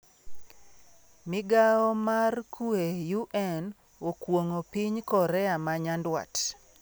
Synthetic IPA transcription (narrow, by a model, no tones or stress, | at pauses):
mɪɡaɔmarkuejuʔɛn | okwoŋopiɲkɔɾɛamaɲandwa̰t